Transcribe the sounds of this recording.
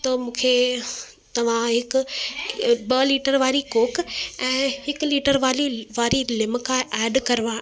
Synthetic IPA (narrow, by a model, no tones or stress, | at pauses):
t̪ɐmũːkʰe | t̪ɐʋ̤ãɦɪkʊ̆ | bɐliːʈəɾʋaːɾikoːkɛ̃ːhɪkʊliːʈəɾʋaːliʋaːɾilɪmkʰãʔɛːɖkɐɾʋãː